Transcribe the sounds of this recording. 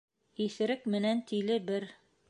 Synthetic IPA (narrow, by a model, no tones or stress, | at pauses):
iθɘ̆ɾɘkmɘ̆nænt̪ilɘbɘɾ